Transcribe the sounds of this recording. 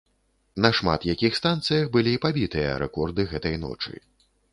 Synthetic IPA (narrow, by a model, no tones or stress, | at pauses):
nɐʂma̰t̪jakʲixst̪ant̪sɨjɐxbɨlʲiːpabʲit̪ɨjɐ̰ɾʔɛ̰kɔrd̪ɨɣɛt̪ɐjnɔ̰t͡ʂɨ̰